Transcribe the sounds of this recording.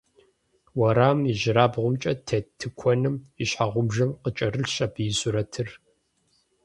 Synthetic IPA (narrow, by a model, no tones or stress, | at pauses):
wɐɾaːmɪʒɪɾaːbʁʷʊmt͡ʃʼɐtʰɐtʰɨkʷʰɔnɨmiɕħaʁʷʊmʒɐmqət͡ʃʼɐrɨɬɕabɨjɪsʼuɾɐtʰɨr